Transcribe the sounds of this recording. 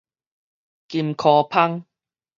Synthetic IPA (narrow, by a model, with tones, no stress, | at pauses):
ki˧mkʰɔː˧pʰa˥ŋ